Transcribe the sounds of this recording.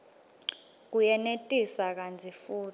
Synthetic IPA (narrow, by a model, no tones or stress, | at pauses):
k̬ujɛnetʼisak̬and͡zʰʱifuːtʰi̥